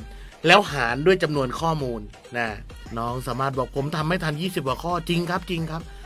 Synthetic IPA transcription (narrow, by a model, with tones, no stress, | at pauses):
lɛː˦˥wɦaː˩˦ndu˥˩əjt͡ɕa˧mnu˧ənkʰɔː˥˩muː˧nː | a˦˧˩ | nɔː˦˥˩ŋsaː˩˦maː˥˩t̪̚bɔː˨˩k̚pʰo˩˦mt̪ʰa˧mːa˥˩jt̪ʰa˧njiː˥˩si˨˩p̚kwaː˨˩kʰɔː˥˩t͡ɕi˧ŋkʰa˦˥p̚t͡ɕi˧ŋkʰa˦˥p̚